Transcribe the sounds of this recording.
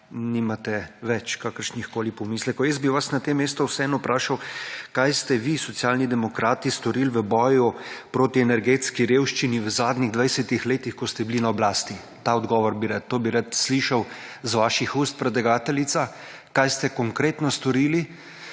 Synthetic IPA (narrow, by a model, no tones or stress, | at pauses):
nimat̪ɛʋɛt͡ʃkakəɾʃnixkoːlipɔmiːslɛkɔwjɛsbiʋasnat̪emːeːst̪ɔwsɛɛːnɔpɾʔaːʃawkajst̪ɛʋisɔt̪sijaːlnid̪ɛmɔkɾaːt̪ist̪ɔɾilʋəbɔːjupɾoːt̪iɛnɛɾɡeːt̪skiɾeːwʃt͡ʃiniʋəzaːd̪niɣd̪ʋajsɛt̪ixleːt̪ixkɔst̪ɛbilinaɔblaːst̪i | t̪aɔd̪ɡɔːʋɔɾbiɾat̪ːoːbiɾat̪sliʃawzʋaːʃixust̪̚pɾɛd̪ɛɡaːt̪ɛlit̪sa | kajst̪ɛkɔŋkɾeːt̪nɔst̪ɔɾiːli